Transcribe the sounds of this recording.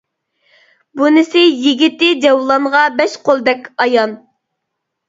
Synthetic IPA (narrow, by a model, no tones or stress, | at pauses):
bunɪsɪjiɡʲit̪ɪd͡ʒɛwlˠɑnʁɑbɛʃqʰolˠd̪ɛkʲɑjɑn